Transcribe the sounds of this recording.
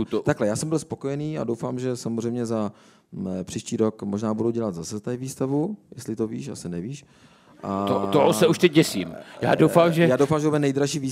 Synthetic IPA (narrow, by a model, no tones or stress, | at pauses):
t̪t̪aklɛjaːsɛmbɪlspo̞kojɛniːa̰do̞wfaːmʒɛsamozr̝ɛjmɲɛza | pr̥iːʃciːɾokmo̞ʒnaːbuduɟɛlat̪zasɛzat̪aɪviːst̪avujɛst̪lɪt̪ovḭːʃa̰sɪnɛviːʃ | ʔaot̪oɦosɛuʃt̪ɛc̚ɟɛsiːmja̰ːdowfaːmʒɛjaːdowfamʒɛt̪bɛnɛjd̪ɾaʃiːviː